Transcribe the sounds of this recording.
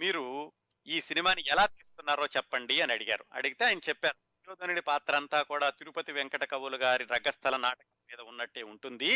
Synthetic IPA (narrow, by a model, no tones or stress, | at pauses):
miːɾu | iːsinimaːniɛlaːt̪iːsu̥t̪unːaːɾoːt͡ʃɛpːɐɳɖiɐniɐɽiɡa̰ːɾuɐ̰ɽiɡit̪e̞aːjɐnɐt͡ʃɛpːaːɾuɐjoːd̪ʱɐnɐɽipaːt̪ɾɐnt̪aːkuːɽaːt̪iɾupɐt̪iʋɛŋkɐʈɐkɐʋɐluɡaːɾiɾɐɡɐst̪ʰɐlɐnaːʈɐkɐmɐmiːd̪ɐunːɐʈːeːuɳʈund̪i